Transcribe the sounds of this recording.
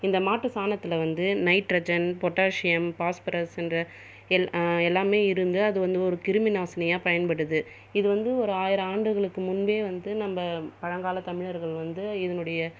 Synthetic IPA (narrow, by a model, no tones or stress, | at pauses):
ɪnd̪ɐmaːʈːɯsaːnɐt̪ːɪlɐʋɐnd̪ɯnɐɪʈːɾɐd͡ʒɐnpɔʈːaːʂɪjɐmpaːspɐɾɐsɛndrɐ | ɛɛlːaːmeːɪɾɯnd̪ɯɐðɯʋɐnd̪ɯɔɾɯkɪɾɯmɪnaːsɐnɐjãːpɐjɐnpɐɽɯðɯ | ɪðɯʋɐnd̪ɯɔɾɯaːjɪɾɐaːɳɖɯɣɐɭɯkːɯmʊnbeːʋɐnd̪ɯnɐmbɐpɐɻɐŋɡaːlɐt̪ɐmɪɻɐɾɣɐɭʋɐnd̪ɯɪðɐnɯɽɐjɐ